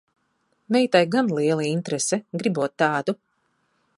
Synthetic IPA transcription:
mʲɛjt̪ajɡanlˠiɛlˠiint̪ɾɛsɛɡɾibuɔt̪ːaːd̪u

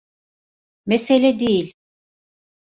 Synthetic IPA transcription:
meselʲɛd̪ejilʲ

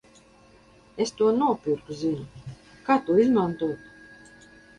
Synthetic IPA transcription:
est̪uɔnuɔpʲiɾkuzinu | kaːt̪uizmant̪uːt̪

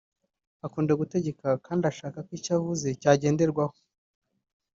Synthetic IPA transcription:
akuːndeɡute̞ɟe̞kakaːndiaʃaːkakwiːcavuze̞caːɟe̞ːnde̞ɾɡwaho̥

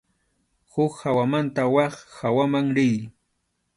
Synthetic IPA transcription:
hʊkhawamant̪awɑχhawamaŋɾɪj

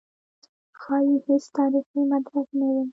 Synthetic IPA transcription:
xɑjihet͡st̪ɑɾiximat̪buqnawi

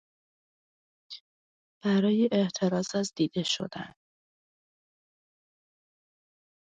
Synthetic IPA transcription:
b̥æɾɒːjeʔeʔt̪ʰe̞ɾɒːzæzd̪iːd̪̥e̞ʃo̞̰d̪̥æ̰n

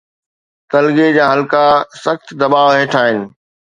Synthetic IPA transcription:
t̪ɐlɡed͡ʑaːɦɐlkasɐxt̪d̪ɐbaːʋɦeːʈʰaːɦɪnɪ̆

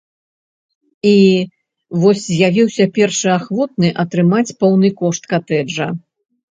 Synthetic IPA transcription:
i | vɔsʲzʲjavʲiwsʲɐpʲɛrʂɨaxvɔt̪̚nɨʔɐt̪ɾɨmat͡sʲpɔwnɨkɔʂt̪kat̪ɛʐɐ

